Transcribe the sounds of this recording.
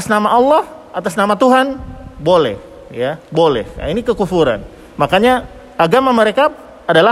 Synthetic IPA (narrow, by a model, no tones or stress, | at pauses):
asnamaʔɑlːɔhʔat̪asnamat̪uɦanbolɛ̰h | jabolɛ̰hinikəkufuɾa̰n | makaɲa | aɡamaməɾekaː | dala